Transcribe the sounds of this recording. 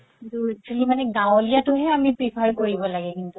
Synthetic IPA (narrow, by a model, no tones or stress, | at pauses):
kkint̪ut͡ʃʰolimaneɡãolijat̪oɦɛamĩpɾipʰaɾkoɾibolaɡekint̪u